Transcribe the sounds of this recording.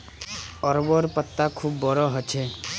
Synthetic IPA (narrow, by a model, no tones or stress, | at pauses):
ɔɾbɔɾpət̪ːakʰubːɔɾɔɦɔt͡ʃʰe